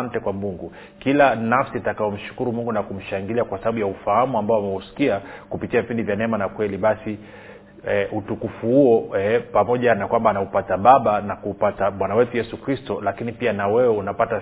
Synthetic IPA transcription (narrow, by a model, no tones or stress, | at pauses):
ntɛkwamuŋɡu | kilanafsiatakaɔm̩ʃu̥kuɾumuŋɡunakum̩ʃaŋɡiliakwasaɓaɓujaufahamuambaɔamɛusi̥kiakupitiavipindivjanɛmanakwɛliɓasi | ʔutukufuhuɔɛpamɔʄanakwambaːnaupataɓaɓanakupatamwanawɛtujɛsukɾistɔlakinipianawɛwɛunapata